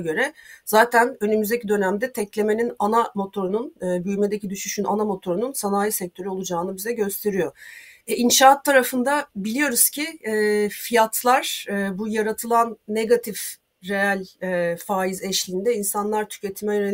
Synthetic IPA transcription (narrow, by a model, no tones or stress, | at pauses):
ɡø̞ɾɛz̥aːt̪ʰænø̞nymyzd̪ecʰid̪ø̞næmd̪ɛt̪ʰɛclʲe̞me̞ninanamo̞t̪ʰo̞ɾununɯːbyjme̞d̪ecʰid̪yʃyʃyna̰namo̞t̪ʰo̞ɾununsanaːjisɛc̚t̪ʰø̞ɾyo̞lˠud͡ʒaːnɯbizɛɟø̞st̪ʰe̞ɾijo̞inʃaːt̪ʰːaɾafɯnd̪abilʲijo̞ɾuzcʰiɛfijat̪ʰlˠaɾ̥bujaɾat̪ʰɯlˠanːe̞ɡat̪ʰif | ɾe̞alʲːfaːizɛʃlʲind̪ɛinsanlˠaɾt̪ʰy̥ce̞t̪ʰimɛjøne